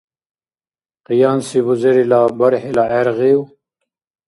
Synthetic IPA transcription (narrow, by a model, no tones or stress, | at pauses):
qijaːnsibuzeɾilabaɾhilaʔeɾʁiw